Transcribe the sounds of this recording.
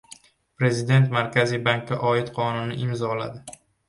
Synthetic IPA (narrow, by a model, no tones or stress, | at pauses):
pɾe̞zɪd̪e̞nt̪maɾkʲazijbaŋk̚ʲːaʔɒɪt̪qʰɒnʊnɪʔɪmzɒla̰d̪ɪ